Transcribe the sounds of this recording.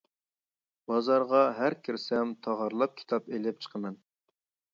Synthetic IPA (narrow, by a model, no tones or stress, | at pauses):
b̥ɑzɑɾʁɑɦæɾkʲʰɪɾsɛmt̪ʰɑʁɑɾlˠɑp̚kʲʰi̥t̪ʰɑpelɪp̚t͡ʃʰə̥qʰəmɛn